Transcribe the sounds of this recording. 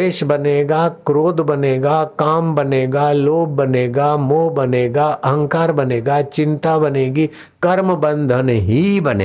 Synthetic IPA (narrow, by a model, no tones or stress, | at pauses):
eːʃbɐneːɡakɾoːd̪bɐneːɡakaːmbɐneːɡaloːb̚bɐneːɡamoːbɐneːɡaʔəɦə̃ŋkaːɾbɐneːɡat͡ʃɪ̃nt̪abɐneːɡi | kɐɾməbə̃nd̪ʱənɦibɐnḛː